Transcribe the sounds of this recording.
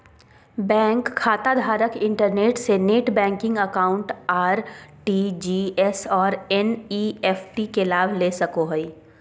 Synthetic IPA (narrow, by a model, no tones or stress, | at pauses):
bɛ̃ːŋkʰːaːt̪ad̪ʱaːɾəkɪ̃ɳʈəɾneːʈseneːʈbɛ̃ːŋkɪ̃ŋɡəkaːʊ̃ɳʈaːɾʈiːd͡ʒiːɛsɔːɾɛniːɛfʈikelaːbʱleːsɐkoɦoi